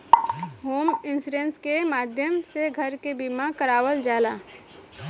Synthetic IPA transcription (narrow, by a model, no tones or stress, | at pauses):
ɦoːmɪnsuɾenskemaːd̪ʱjəmseɡʱəɾkebimakəɾaːwəld͡ʒaːla